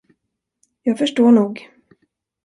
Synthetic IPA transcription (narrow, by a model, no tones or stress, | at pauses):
jɑːɡfœʂʈoːɳuːɡ